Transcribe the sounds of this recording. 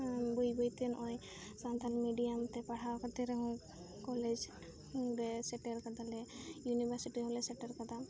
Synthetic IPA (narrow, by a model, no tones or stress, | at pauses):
bujbɔjt̪ɛnʔɔj | sant̪almiɖijamt̪ɛpaɽ̤awkat̪ɛɾɔŋ | kɔled͡ʒ | dɛsɛʈeɾkad̪alɛjunibʱaɾsiʈiɦɔlɛsɛʈəɾkɔd̪a